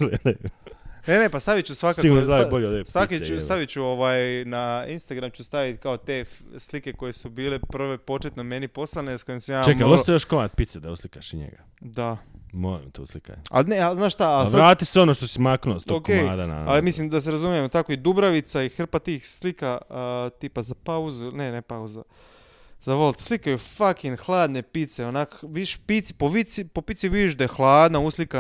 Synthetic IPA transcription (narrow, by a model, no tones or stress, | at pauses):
ɡled̪ajunenepast̪aʋitt͡ɕusʋaksaiɡuɾnozaʋiboʎeod̪est̪akiusaʋit͡ɕuoʋaːjnainst̪aɡɾamt͡ɕust̪aʋit̪kaot̪efslike̞ko̞je̞subiːleprʋe̞po̞t͡ʃet̪nome̞nipo̞slˠanesko̞jimsamjaːt͡ʃemkaost̪ajoʃkomat̪̚pit̪sed̪auslikaʃiɲḛɡa | d̪amoɾḭmt̪oṵslika̰ɲa̰lneaznaːʃt̪aalsaɾaːt̪iseonoʃt̪osimaknuost̪ookeːad̪ana̰a̰limislimd̪as̬eɾazumijemt̪akoid̪ubɾaʋit̪saixr̩pat̪iːxslikat̪iːpazapauzunenepauza | z̥aʋolˠt̪slikajufakinxlˠaːd̪nepit̪seonakʋiʃpit̪sipoʋit̪sipo̞pit̪siʋiʒd̪ajexlˠaːd̪nauslika